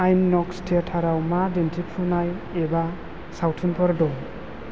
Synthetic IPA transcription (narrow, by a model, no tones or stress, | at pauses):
ajnːɔkstʰetʰaɾawmadentʰipʰunaj | eba | sawtʰɯnpʰɔɾdɔ